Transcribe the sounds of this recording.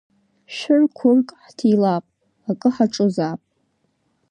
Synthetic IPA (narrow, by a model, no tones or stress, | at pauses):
ʃᶣɪrkʷʰʊrkʼħtʰilapʼ | akʼɨħaʈ͡ʂʼozapʼ